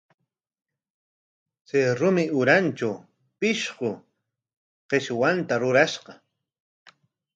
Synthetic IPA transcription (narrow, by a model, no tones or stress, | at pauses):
seɾʊmɪʊɾant͡ʃa | pɪʃɢʊ | qeʃwant̪aɾʊɾaʃqɑ